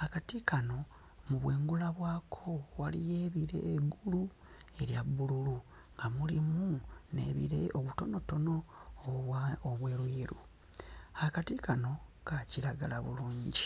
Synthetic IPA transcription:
akatikano̞ | muβwe̞ːŋɡulaβwaːkʰo̞walije̞ːβiɾe̞̰ːɡulu | e̞ɾjaβululu | ŋɡamulimunḛβḭɾe̞ʔoβuto̞no̞to̞no̞ | oβwe̞ːɾwiːɾu | akatikano̞kaciɾaɡalaβṵluːɲɟi

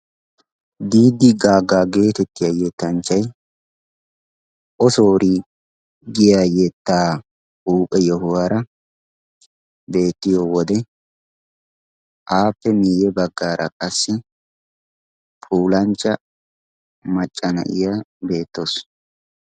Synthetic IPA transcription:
d̪iːd̪ːɪɡaːɡːaːɡe̞ːt̪ɛt̪ːɪjajɛt̪ːɐnt͡ʃːɐj | ʔɔsoːɾi | ɡɪjaːjɛt̪ːaː | uːpʼɛjɔɦʊwaːɾɐ | be̞ːt̪ːɪjoːwɔd̪ɛ | ʔaːpːɛmiːjɛbɐɡːaːɾʔɐ̰kʼɐsːɪ | pʰuːlɐnt͡ʃːɐ | mɐt͡ʃʼːɐnɐ̰ʔɪ̰jabe̞ːt̪ːos

